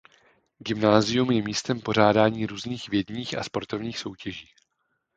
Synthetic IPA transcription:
ɡɪmnaːzɪjumjɛmiːst̪ɛmpo̞ɾ̝aːdaːɲiːɾuːzniːxvjɛdɲiːxʔa̰spo̞ɾt̪o̞vɲiːxso̞wcɛʒiː

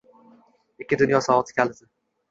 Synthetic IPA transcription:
ekʲːɪd̪ʊnjɒsɒvɒt̪ʰɪ̥kʲʰalɪzɪ

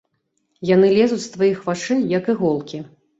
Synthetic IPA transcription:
janɨlʲɛzut͡sʲst̪vajixvaʂɨjɐkɨɣɔlˠkʲi

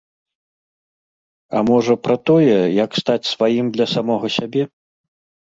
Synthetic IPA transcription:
ɐ̰mɔʐɐpɾɐt̪ɔjɛjɐkst̪at͡sʲsvajimd̪lʲɐsamɔɣɐsʲabʲɛ

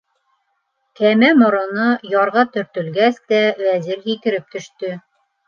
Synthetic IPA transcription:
kæmæmŏɾŏnɤjɑɾʁɑt̪ɵ̆ɾt̪ɵ̆lɡæsd̪æwæzɘɾhikɘ̆ɾɘp̚t̪ɵ̆ʃt̪ɵ

